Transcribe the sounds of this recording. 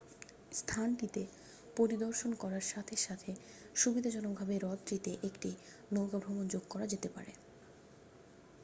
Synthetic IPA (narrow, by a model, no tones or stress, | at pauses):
st̪ʰanʈit̪e | poɾid̪oɾʃonkɔɾaɾʃat̪ʰeɾʃat̪ʰe | ʃubid̪ʱad͡ʑɔnok̚bʱabeɾɔd̪ɾit̪eʔekʈi | nowɡabʱɾomond͡ʑoɡkɔɾad͡ʑet̪epa̰ɾḛ